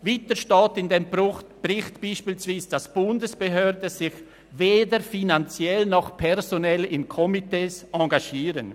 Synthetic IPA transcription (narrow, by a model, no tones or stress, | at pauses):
vitəʃtɑːtɪndembʊχb̥rɪxtb̥iːʃpiːlsv̥iːsd̥asb̥ʊndəsb̥eɦøːɾdəzɪç | veːdəɾfinant͡sjɛlnɔχpʰɛɾzonɛlɪnkʰɔmiteːsɑ̃ɡaʃiːɾən